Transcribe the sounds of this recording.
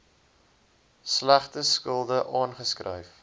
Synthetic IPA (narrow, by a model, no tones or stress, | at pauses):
slæχtəskəlˠdəʔɑːnχəskrə̰jf